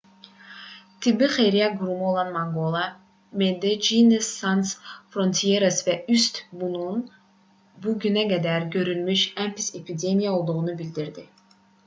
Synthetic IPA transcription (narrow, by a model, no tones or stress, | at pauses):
t̪ʰibiχejɾijaɡuɾumuolˠɑnmaŋɡolˠa | med̪ed͡ʒinesːansfronʲt̪ʰijeɾasvæyst̪bunun | buɡynæɡæd̪æɾɡø̞ɾylmyʃæmpisepʰid̪ʲemʲijaolˠd̪uʁunubilʲd̪iɾd̪i